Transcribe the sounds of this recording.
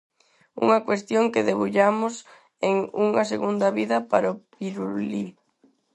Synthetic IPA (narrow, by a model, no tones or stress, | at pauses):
ṵŋɐkwest̪joŋkeðeβuʎamʊs | eŋuŋɐseɣund̪ɐβiðɐpaɾopiɾuli